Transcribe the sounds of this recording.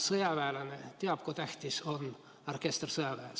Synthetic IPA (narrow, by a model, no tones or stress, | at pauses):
sɤjɑvæelɑnet̪eɑb̥̚kut̪æht̪iso̞n | orkest̪rsɤjɑvæe